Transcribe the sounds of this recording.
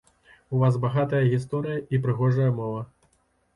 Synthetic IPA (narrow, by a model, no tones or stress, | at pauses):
uvasbaɣat̪ɐjɐɣʲist̪ɔɾɨjɐʔipɾɨɣɔʐɐjɐmɔvɐ